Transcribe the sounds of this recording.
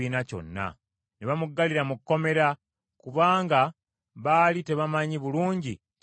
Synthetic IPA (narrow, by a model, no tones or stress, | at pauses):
iːnaco̞̰nːa̰ | neβamuɡːaliɾamukːo̞me̞ɾa | kuβaːŋɡa | βalite̞βamaɲiβuluːɲɟi